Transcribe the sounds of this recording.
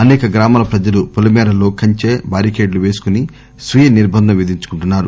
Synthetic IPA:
ɐnɛːkɐɡɾaːmaːlɐpɾɐd͡ʒɐlupulɐmɛːɾɐlo̞ːkɐɲt͡ʃeːbaːɾikeːɖluʋe̞ːsu̥kuni | sʋijɐniɾbʱɐnd̪ʱɐmʋid̪iɲt͡ʃu̥kuɳʈunːaːɾu

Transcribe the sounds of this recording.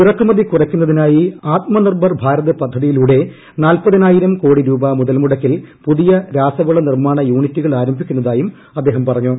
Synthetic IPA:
irɐkːumɐðikurɐkʲːunːɐðinaːjiaːt̪̚mɐnirbɐrbʱaːɾɐðɨpɐd̪ʱːɐðijiluːɽe̞ | naːlpɐðinaːjiɾɐmko̞ːɽiɾuːbɐmuðɐlmuɽɐkːilpuðijɐɾaːsɐʋɐɭɐnirmaːɳɐjuːɳitːuɣɐɭaːɾɐmbʱikʲːunːɐðaːjum | ɐd̪ːe̞ːɦɐmpɐrɐɲːu

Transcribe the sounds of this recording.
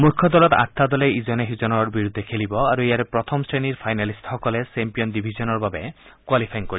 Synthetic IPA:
mukʰːɔd̪ɔlɔt̪a̰t̪ʰːad̪ɔleizɔneɦuzɔnɔɾbiɾud̪ʱːekʰelibɔaɾuijaɾepɾɔt̪ʰɔmsɾeniɾpʰajnalisthɔkɔlesempijɔndibʱizɔnɔɾbabe | kwalipʰajnkoɾi

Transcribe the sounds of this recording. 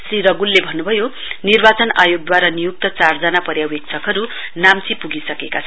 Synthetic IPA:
sriɾʌɡulːebʱʌnːubʱʌjo | nirbat͡sʌnajoɡ̚d̪waɾanijuk̚t̪ʌt͡sard͡zʌnapʌɾjawwek̚t͡sʰʌkɦʌɾu | namt͡sʰipuɡisʌkekat͡sʰʌ

